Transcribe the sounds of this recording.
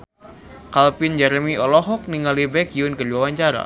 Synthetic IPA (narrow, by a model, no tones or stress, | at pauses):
kalpind͡ʒɛɾmiɔlɔɦɔk̚niŋalibɛkjunkərduwawaɲt͡ʃaɾa̰